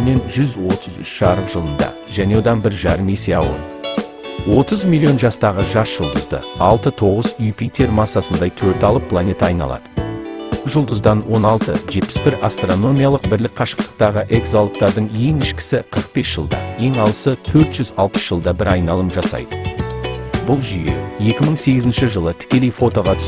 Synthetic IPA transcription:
me̞nʒʏzwo̞t̪ʰəzʏ̰ʃʃɑɾəqʒ̥əlˠənd̪ɑ̰ | ʒæne̞wo̞d̪ɑnbɪɾʒɑɾəme̞se̞ɑ̰wə̰lˠ | wo̞t̪əzmilʲːio̞nʒɑst̪ɑʁəʒɑsʒ̥ʊlˠd̪əzd̪ə̰ɑlˠt̪ət̪ʰo̞ʁəzyjpʰit̪ʰe̞ɾmɑsːɑsənd̪ɑjt̪ʰɵɾt̪ɑlˠəpʰːlˠanʲet̪ɑjnɑ̰lˠɑ̰d̪ə | ʒʊlˠd̪əzd̪ɑnwo̞nɑlˠt̪əʒe̞t̪pɪ̥sbɪɾast̪ro̞no̞mʲijalˠəq̚bɪɾlɪk̚qʰɑʃə̥q̚t̪ə̥q̚t̪ɑʁəʔe̞kzolˠp̚t̪ɑɾd̪əɴe̞ŋɪʃkʲɪ̥sɪqʰəɾəq̚be̞sʒ̥əlˠd̪ɑ̰e̞ŋɑlˠəsət̪ʰɵɾt̪ʒ̥ʏzɑlˠpə̥sʒ̥əlˠd̪ɑbɪɾɑjnɑlˠəmpʒɑsɑ̰jd̪ə | bʊlˠʒʏjḛje̞kʲɪməɴse̞ɡʲɪzɪnʃɪʒəlˠət̪ʰɪ̥kʲe̞lejfo̞t̪o̞ʁɑt̪ʰʏ̥s

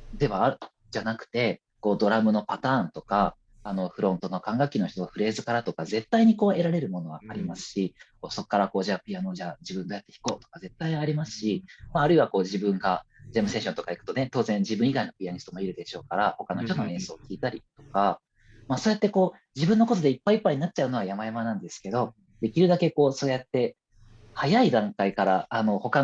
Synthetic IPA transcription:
d̪e̞βaːɾɯ̟ | d͡ʑanakɯ̟̥t̪e̞ | ko̞ːd̪o̞ɾamɯ̟no̞pat̪ãːnt̪o̞kaː | no̞ɸɯ̟ɾõ̞nt̪o̞no̞kãŋɡakʲːino̞çt̪oaɸɯ̟ɾe̞ːzɨkaɾat̪o̞kaze̞t̪ːaiɲ̟iko̞ːe̞ɾaɾe̞ɾɯ̟mo̞no̞βa̰aɾʲimasɨ̥ɕikoːso̞kːaɾako̞ːʑapʲiano̞ːʑad͡ʑibɯ̟̃nd̪ojat̪ːeçi̥ko̞ːt̪o̞̥kaze̞t̪ːaiaɾʲimasɨ̥ɕimaːɾɯ̟iβako̞ːd͡ʑibɯ̟̃ŋɡad͡ʑemɯ̟se̞ɕõ̞nt̪o̞kaikɯ̟̥t̪o̞ne̞t̪o̞ːzẽ̞ɲ̟d͡ʑibɯ̟̃iɡaino̞pʲiaɲ̟ist̪omo̞iɾɯ̟d̪e̞ɕo̞ːkaɾaho̞kano̞çʲt̪o̞no̞ẽ̞ɰ̃so̞ːkʲiːt̪aɾʲit̪o̞̥ka | masoːjat̪ːe̞ko̞ː | d͡ʑibɯ̟̃nːoko̞t̪od̪e̞ipːaipːaiɲ̟inatt͡ɕ̚t͡ɕaɯ̟no̞β̞ajamajamanãnd̪e̞sɨ̥ke̞d̪o̞ | d̪e̞kʲiɾɯ̟d̪ake̞ko̞ːso̞ːjat̪ːe̞ | hajaid̪ãŋkaikaɾaano̞ho̞ka

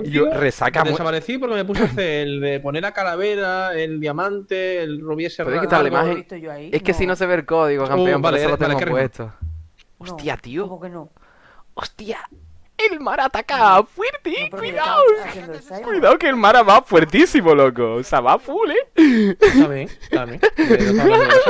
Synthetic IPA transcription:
joresa̰kad̪esapaɾeθipoɾkemep̬usθeelðepo̞neɾakalaβeɾaeld̪jamãnt̪eːlruβjeseweðekit̪aɾlaimaheŋe̞hke̞sinose̞βelkoðiɣokampeompbaɾesolot̪eŋɡopwet̪ʰo | ost̪iat̪io | ost̪ia | elmaɾat̪akafwiɾt̪ikwiðaw | kwiðawkelmaɾaβafwe̞ɾt̪isimolokosaβafule

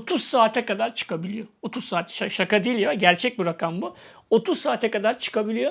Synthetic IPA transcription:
ot̪ʰuz̥saːt̪ʰɛkad̪aɾt͡ʃʰɯ̥kʰabilʲijoot̪ʰuz̥saːt̪ʰʃaʃakad̪iilʲjoɟæɾt͡ʃʰɛc̚biɾakʰambu | ot̪ʰuzsaːt̪ʰɛkad̪aɾt͡ʃʰɯ̥kabilʲijo̞

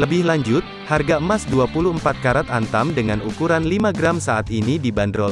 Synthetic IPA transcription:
ləbɪhlaɲd͡ʒʊt̪̚harɡaəmasduapuluəmpat̪̚kaɾat̪ant̪amdəŋanukuɾanlimaɡəɾamsaʔat̪inidibandɾɔl

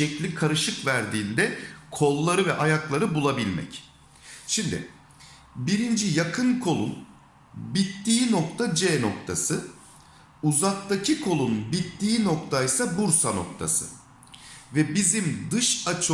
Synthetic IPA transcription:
ɛclʲikʰaɾɯʃɯkvæɾd̪iːnd̪ɛkʰo̞lˠːaɾɯvɛʔajaklˠaɾɯbulˠabilʲmɛ̰c | ʃimd̪ɪ̰ | biɾind͡ʒijakʰɯnkʰo̞lˠun | bit̪ːiːno̞k̚t̪ʰad͡ʒɛːno̞k̚t̪ʰasɯ | uzak̚t̪acʰikʰo̞lˠunbit̪ːiːno̞k̚t̪ʰajsabuɾsano̞̰kt̪ʰa̰sɯ̰ | vɛbizimd̪ɯʃat͡ʃʰ

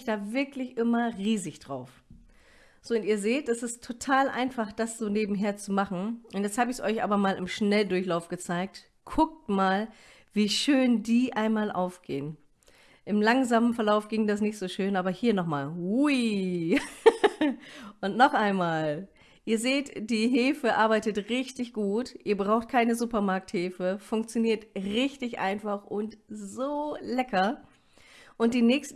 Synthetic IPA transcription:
ɪçd̥aːvɪɐklɪçʔɪmɐʁiːzɪçd̥ʁaʊf | z̥oːʊntiːɐzeːtd̥ɛsɪstʰːotʰaːlʔa̰ɪnfaχd̥asz̥oːneːbm̩ɦeːɐt͡sumaχn̩ʔʊntjɛt͡sthaːbəɪsʔɔʏçʔa̰ːbɐmaːlɪmʃnɛldʊɐçlaʊfɡ̥ət͡saɪk̚t | kʰʊk̚tmaːl | viːʃøːndiːʔaɪnmaːlʔaʊfɡ̥ḛːən | ʔɪmlaŋzaːmənfɛɐlaʊfɡ̥ɪŋdas̬nɪçtz̥oːʃøːnʔaːbɐhiːɐnɔχmaːlui | ʔʊntnɔχʔaɪnmaːl | ʔiːɐzeːtd̥iːɦeːfəʔaɐbaɪtətʁɪçtɪçɡ̥uːtʔiːɐbʁaʊxt̚kʰaɪnəzuːpɐmaɐk̚theːfəfʊŋkt͡sjoniːɐtʁɪçtɪçʔa̰ɪnfaχʔʊntzoːlɛkʰɐ | ʔʊnt̚d̥iːnɛːçst

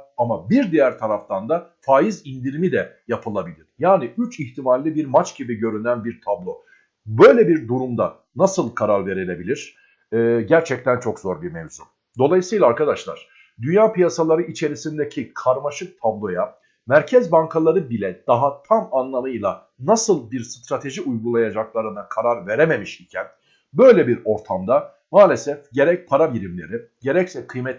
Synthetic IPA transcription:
amabiɾd̪ijæɾt̪ʰaɾaft̪ʰand̪afaːjizind̪iɾimid̪ɛjapʰɯlˠabilʲiɾ̥jaːniyt͡ʃiçt̪ʰimalʲːibiɾmat͡ʃɟ̥ibiɟø̞ɾynænbiɾt̪ʰablˠo̞ | bø̞jlʲɛbiɾd̪uɾumd̪a | nasɯlˠkʰaɾaɾve̞ɾelʲe̞bilʲiɾ̥ | ɛːɟæɾt͡ʃʰɛc̚t̪ʰænt͡ʃʰo̞kz̥o̞ɾbiɾmevzum | d̪o̞lˠajɯsɯjlˠaːɾkad̪aʃlˠa̰ɾ̥ | d̪ynjaːpijasalˠaɾɯit͡ʃʰe̞ɾisind̪ecʰikʰaɾmaʃɯk̚t̪ʰablˠo̞ja | mæɾcʰɛzbaŋkʰalˠaɾɯbilʲɛd̪̥aɦat̪ʰamanlˠamɯjlˠa | nasɯlˠbiɾst̪ɾat̪ʰe̞ʒiujɡulˠajad͡ʒaklˠaɾɯnakʰaɾaɾve̞ɾeme̞miʃicʰæn | bø̞jlʲɛbiɾo̞ɾt̪ʰamd̪a | maːlʲe̞sɛfɟe̞ɾɛc̚pʰaɾabiɾimlʲe̞̰ɾi | ɟe̞ɾɛcsɛkʰɯjmɛt̪

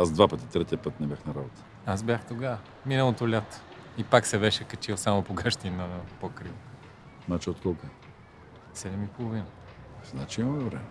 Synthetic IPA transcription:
azd̪vapət̪i̥t̪ɾɛt̪ijəpɤt̪nɛbʲjaxnɐɾabot̪ə̥ | asbʲjaxt̪oɡa | minəlˠot̪olʲat̪o̥ | ipaksɛbɛʃɛkɐt͡ʃilˠsamopoɡaʃt̪iinəpokɾiv | nat͡ʃɛot̪kɔlˠkoɛ | sɛd̪ɛmipolˠovinɐ | znat͡ʃiimɐmɛvɾɛmɛ

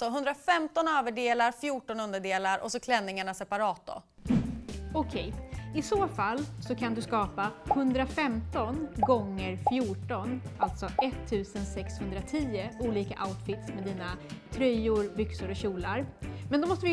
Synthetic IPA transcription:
sɔɦɵnd̪ɾafɛmt̪ɔnøːvəɖeːlaɾfjuːʈɔnɵnd̪əɖeːlaɾʔɔ̰sɔkʰlɛnːɪŋaɳasɛpaɾɑːt̪̚d̪ɔ̰ | ɔkʰɛjɪsoːfalːsɔkʰand̪ɵskɑːpahɵnd̪ɾafɛmt̪ɔnɡɔŋːəɾfjuːʈɔnalt̪sɔʔɛt̪ʰːʉ̟ːsənsɛkshɵnd̪ɾat̪ʰiːəuːliːkaʔaʊt̪fɪt̪smɛd̪iːnat̪ʰɾœjʊɾbʏksʊɾɔɕuːlaɾmɛnd̪ɔmɔst̪əvɪ

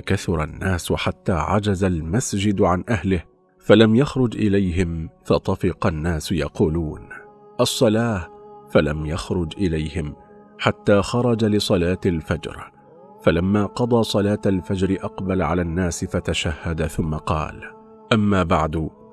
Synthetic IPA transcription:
kaθʊɾˤɑnːaːsħat̪ːaːʕa̰d͡ʒazalmasd͡ʒɪd̪ʕanʔahlɪh | falamjaxɾˤʊd͡ʒʔɪlajɦɪmfɑt̪ˤɑfɪqɑnːaːsjɑquːluːn | ʔɑsˤːɑlaːfalamjaxɾʊd͡ʒʔɪlajhɪm | ħat̪ːaːxɑɾˤɑd͡ʒalɪsˤɑlaːt̪alfad͡ʒɾ | falamːaːqɑd̪ˤɑːsˤɑlaːt̪alfad͡ʒɾɪʔɑqbalʕalaːnːaːsɪfat̪aʃahːad̪aθʊmːaqɑ̰ːl | ʔamːaːbaʕd̪ʊ

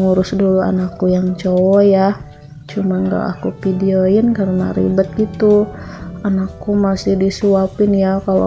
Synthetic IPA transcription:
ŋuɾʊsdulua̰nakːujaŋt͡ʃowɔja | t͡ʃumaŋɡa̰ʔa̰kupidioɪnkaɾəna̰ɾḭbət̪̚ɡit̪u | anakːumasɪhdisuapɪnjakalo̰

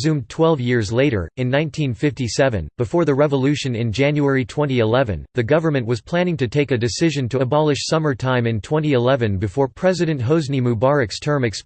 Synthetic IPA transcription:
zʉ̃mtʰw̥ɛlˠvjɪɹzleɪɾə̰˞ɨ̃nːãɪ̃ntʰĩnfɪftisɛvɨ̰̃nb̥ɨfɔɹðɨɹɛvəlʉʃɨ̃nɨ̃nd͡ʒæ̃njuɛɹitʰw̥ɛ̃ñiɨlɛvɨ̰̃nðɨɡʌvə˞mɨ̃nʔwʌz̥pʰl̥æ̃ñɪ̃ŋtɨtʰeɪkɨdɨsɪʒɨ̃ntʰɨəbɑlˠɨʃsʌmə˞tʰãɪ̃mɨ̃ntʰw̥ɛ̃ñiɨlɛvɨ̃nbɨfɔɹpʰɹ̥ɛzɨɾɨ̃nt̚ɦoʊznimubɑɹɨkstʰɜ̃˞mɨks

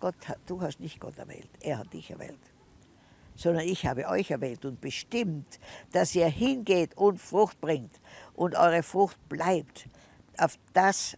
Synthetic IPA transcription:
ɡ̥ɔthad̥uːhastnɪçt̚ɡ̥ɔ̰tɛɐvɛ̰ːltʔeːɐhat̚d̥ɪçɛ̰ɐvɛ̰ːlt | sɔndɐnɪçhaːbəʔɔʏçɛɐvɛːltʊnt̚b̥əʃtɪmtd̥asiːɐhɪnɡeːtʰʊntfʁʊxt̚b̥ʁɪŋt | ʔʊntʔɔ̰ʏʁəfʁʊxt̚b̥laɪpt | ʔaʊfd̥as

